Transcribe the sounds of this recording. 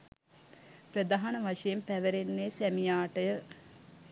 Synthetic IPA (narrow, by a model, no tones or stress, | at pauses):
prəd̪aɦanəʋaʂɐjempæʋəɾenːesæmijaːʈəjə